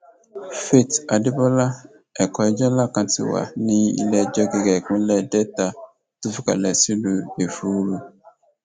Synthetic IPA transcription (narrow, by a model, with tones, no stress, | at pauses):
fe˦˨ta˨dɪ˦ba˦la˦ | ɛ˨kɔ˨ɛ˦d͡ʒɔ˦la˦kã˨tʰɪ̰˨wa̰˨nĩ˦ḭ˦lɛ˦d͡ʒɔ˦ɡɛ˨ɡɛ˨kʊ̃˦lɛ˦dɛ˦ta˨ | tu˦fi˦ka̰˨lɛ˨si˦du˨e˨fu˦ɾu˦